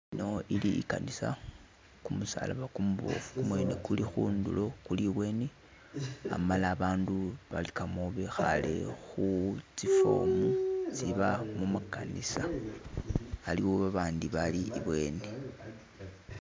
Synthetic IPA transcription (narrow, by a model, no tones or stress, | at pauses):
ino̞iliḭkanisa̰ | kumusa̰la̰βakumβokumwe̞nekulixuːndulo̞kuliβwe̞ːne | a̰malaːβaːnduβalikamoβexa̰le̞̰xut͡sifo̞̰mut͡siβamumakanisa | aliwoβaβaːndiβaliʔiβwe̞ːne